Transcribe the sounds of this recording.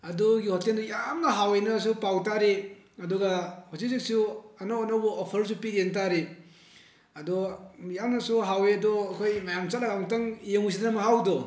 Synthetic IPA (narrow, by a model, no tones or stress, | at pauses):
ɐdɔɡihɔtendɔjamnɐɦawejnɐs̬upawtaɾe | ɐdɔɡahɔzizik̚suɐnawnawbɐʔopʰəɾs̬upiɾent̬aɾe | ɐdɔjamnɐsuɦawejɐdɔɐkʰojmajamt͡ʃatlaɡaŋtaŋjeŋus̬ʰidnɐmaɦawdɔ